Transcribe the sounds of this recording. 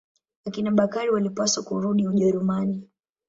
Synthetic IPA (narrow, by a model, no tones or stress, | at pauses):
akinaɓakaɾiwalipaswakuɾuɗiuʄɛɾumani